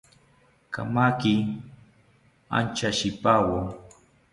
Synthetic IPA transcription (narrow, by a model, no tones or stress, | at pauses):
ka̰makɪ | a̰nt͡ʃaʃɪpaːwaŋ